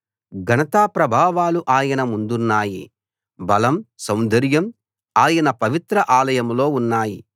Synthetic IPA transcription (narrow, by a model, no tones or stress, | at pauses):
ɡʱɐnɐt̪aːpɾɐbʱaːʋaːluʔaːjɐnɐmund̪unːaːjḭ | bɐlɐmsɐwnd̪ʱɐɾjɐm | aːjɐnɐpɐʋit̪ɾɐʔaːlɐjɐmlo̞ːunːaːji